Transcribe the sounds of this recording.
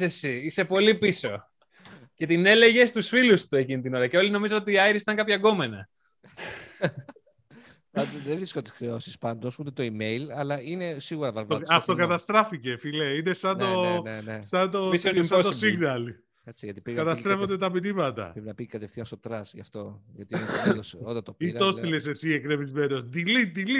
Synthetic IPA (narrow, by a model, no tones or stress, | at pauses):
sesiise̞po̞lipiso̞ | ce̞t̪ine̞le̞ʝe̞st̪usfilust̪ue̞cinit̪ino̞ɾɐce̞o̞lino̞mizɐno̞t̪iːɐiɾisit̪ɐŋkɐpçɐɡo̞me̞nɐ | pɐd̪oðevɾiskot̪i̥sxɾeo̞si̥spɐnd̪osut̪et̪o̞ime̞ilɐlɐʔinesiɣuɾɐvɐvoɐft̪okɐt̪ɐst̪ɾɐfice̞fileine̞sɐnt̪onenesɐnt̪ossɐnt̪osiɣnɐl | et͡siʝɐt̪ipɣkɐt̪ɐst̪ɾe̞fond̪et̪ɐpiɾimɐt̪ɐ̰pɾepinɐpikɐt̪efθiɐnst̪ot̪ɾɐsʝɐft̪o̞ʝɐt̪iosot̪ɐt̪opit̪o̞silese̞siekɾevizme̞no̞sd̪ilit̪ili